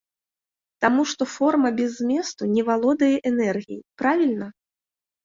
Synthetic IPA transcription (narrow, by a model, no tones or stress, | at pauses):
t̪amuʂt̪ɔfɔrmɐbʲɛzmʲɛst̪unʲɛvalˠɔd̪ɐjɛʔɛnɛrɣʲijipɾavʲilʲnɐ